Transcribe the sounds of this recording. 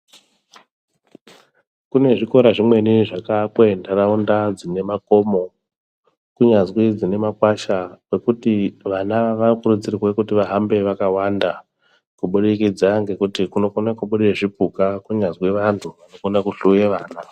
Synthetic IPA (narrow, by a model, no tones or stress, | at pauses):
kune̞ʐiko̞ɾaʐimwe̞niʐakakwendaraundad͡zine̞mako̞mo̞ | kuɲazwid͡zine̞makwaʃawe̞kutiʋanaʋakurud͡zirirwekutiʋaɦambe̞ʋakawanda | kuɓuɗikid͡zaŋɡe̞kutikuno̞konakuɓuɗeʐipukakuɲazweʋantʰuʋanokonakuɬujeʋaːna